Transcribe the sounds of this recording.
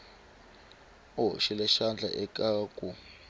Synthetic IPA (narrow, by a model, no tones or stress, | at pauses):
oʃilɛʃand͡ɮʱa̰ʔɛkʼaːkʼu